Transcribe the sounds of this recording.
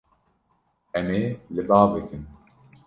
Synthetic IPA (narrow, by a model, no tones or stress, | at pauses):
ɛmeːlɨb̪ɑːbɨkʰɨn